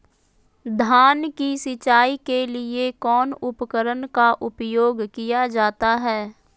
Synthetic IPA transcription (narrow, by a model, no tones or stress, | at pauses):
d̪ʱaːnkisɪt͡ʃaːikelɪekɔːnʊpəkəɾənkaʔʊpjoːɡkijad͡ʒaːt̪aɦɛː